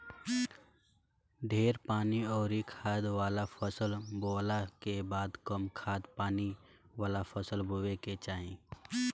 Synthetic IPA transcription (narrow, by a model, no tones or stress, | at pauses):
ɖʱeːɾpaːniɔːɾikʰaːd̪ʋaːlapʰəsəlboːlakebaːd̪kəmkʰaːd̪paːni | ʋaːlapʰəsəlboːweket͡ʃaːɦẽː